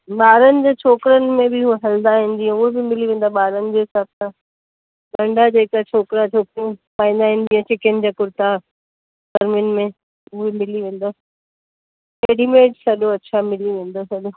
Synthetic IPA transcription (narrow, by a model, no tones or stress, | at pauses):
ɓaːɾənɪ̆d͡ʑeːt͡ɕʰoːkɾənɪ̆mẽbɪueɦɐld̪aɦɪ̃nɪ̆d̪ĩʊɦebɪmɪliʋẽːn̆d̪aɓaːɾənɪ̆d͡ʑeːɦɪsaːb̚sã | ɡɐ̃ɳɖʱad͡ʑeːkat͡ɕʰoːkɾat͡ɕʰoːkɾiũpãːĩn̆d̪aːɦɪ̃nɪ̆d͡ʑĩːə̃t͡ɕʰɪkənɪ̆d͡ʑaːkʊɾt̪a | sɐɾmɪnmẽ | ʊɦemɪliʋẽːn̆d̪aː | eːɽimeːʈsɐɗoɐtːɕʰamɪliʋẽːn̆d̪osɐɗo